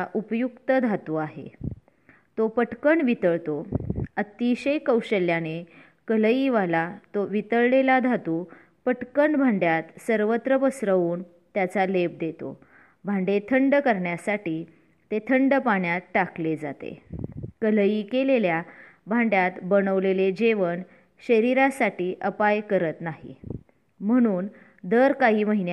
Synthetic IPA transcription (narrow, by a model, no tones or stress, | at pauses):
ʔupjukt̪əd̪ʱat̪uaɦḛ | t̪opəʈkəɳʋit̪əɭt̪oət̪iɕəjkəwɕəljane | kələiʋalat̪oʋit̪əɭlelad̪ʱat̪uː | pəʈkəɳbʱaɳɖjat̪səɾʋət̪ɾəpəsɾəuːn | t̪jat͡salep̚d̪et̪o̰ | bʱãɳɖet̪ʰəɳɖkəɾɳjasaʈiː | t̪et̪ʰəɳɖəpaɳjat̪̚ʈakled͡zat̪ḛkələjikelelja | bʱãɳɖjat̪bəɽ̃əʋleled͡ʑeʋəɳ | ɕəɾiɾasaʈiːʔəpajkəɾət̪naɦḭ | m̤əɽ̃uːn | d̪əɾkaɦiːməɦin